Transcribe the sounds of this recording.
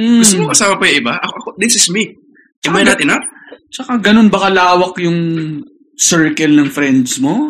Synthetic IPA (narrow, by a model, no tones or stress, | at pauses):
m̩ɡʊst̪omokɐsaːmɐpɐjʊʔɪbaʔɐkoʔɐkod̪ɪsɪsmi | ʔɛmajnaːt̪ɪnat͡ʃɐkaɡɐno̞nbɐkɐlaːwɐkjʊŋ | sɛɹkɛlnɐŋfɾɛnd̪smo